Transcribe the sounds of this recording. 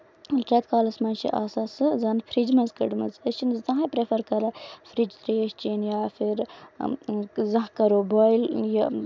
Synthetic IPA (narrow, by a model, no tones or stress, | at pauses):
lʈɾet̪kaːlɐsmɐnt͡ʃʰḭʔa̰ːsasɨzɐnfʰɾid͡ʒmɐzkɐɖmɐzɐt͡ʃʰinzt̪ɐ̃ɦpɾefɐɾkɐɾɐfʰɾid͡ʒt̪ɾeːʃt͡ʃiːnjaːfʰiɾ | zɐkɐɾoːbaːjlja